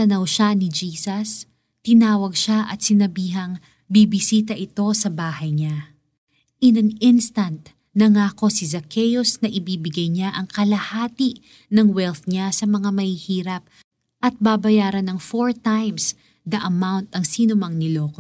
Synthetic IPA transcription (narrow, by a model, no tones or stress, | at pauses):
t̪ɐnɐwʃanɪd͡ʒiːsɐs | t̪ɪnaːwɐɡ̚ʃaʔɐt̪̚sɪnɐbiːɦɐŋ | bibɪsiːt̪̬ɐʔɪt̪o̞sɐbaːhɐjɲa | ʔɪnɐŋɪnst̪ɐnt̪̚ | nɐŋaːko̞sizɐkʰɛjosnɐʔɪbiːbɪɡɐjɲaʔɐŋkɐlɐhaːt̪i | nɐŋwɛlt̪ɲasɐmɐŋamɐhihiːɾɐp̚ | ʔɐt̪̚babɐjaːɾɐnɐŋfoɹt̪ajms | d̪ɐʔɐmawnt̪ɐŋsiːnʊmɐŋnɪloːko